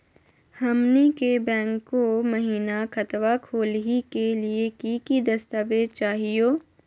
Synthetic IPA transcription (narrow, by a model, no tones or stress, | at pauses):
hɐmnikebɛ̃ːŋkːomɐɦiːnakɐt̪wakʰoːlɦikeliekikid̪ɐst̪aːʋeːd̪̚t͡ʃaːɦijoː